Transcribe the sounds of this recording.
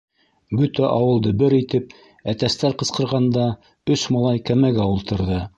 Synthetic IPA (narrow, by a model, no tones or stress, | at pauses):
bɵ̆t̪æʔɑwɤ̆lˠd̪ɤbɘɾit̪ɘp̚ | æt̪æst̪æɾqɤ̆sqɤ̆ɾʁɑnd̪ɑ | ɵsmɑlˠɑjkæmæɡæulˠt̪ɤ̆ɾðɤ